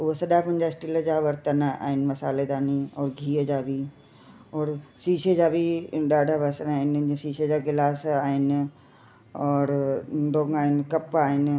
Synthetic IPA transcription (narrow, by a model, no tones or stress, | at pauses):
ʊɦosɐɗapɐ̃ɪ̃ɲd͡ʑasʈɪləd͡ʑaːʋɐɾt̪əna̰ːɦɪnɪ̆mɐsaːled̪aːniɔːɾɡʱiːəd͡ʑaːbʱi | ɔːɾsiːʃed͡ʑaːbʱiɗaːɖʱabasənaːɦɪnsiːʃed͡ʑaːɡɪlaːsaːɦɪnɪ | ɔːɾɖoːɡaːɦɪnɪ̆kɐpaːɦɪn̆